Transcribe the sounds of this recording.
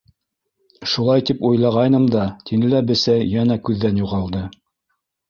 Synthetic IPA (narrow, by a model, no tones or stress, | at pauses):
ʃulˠɑjt̪ipujlˠɑʁɑjnɤɴd̪ɑt̪inɘ̆læbɘ̆sæjænækʉðːænjuʁɑlˠd̪ɤ